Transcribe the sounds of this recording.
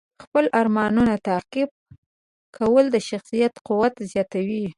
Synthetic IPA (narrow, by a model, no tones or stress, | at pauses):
xpəlʔaɾmɑnunat̪aqɪb̚ | kʰawəld̪əʃaxsijat̪quwat̪zjɑt̪awi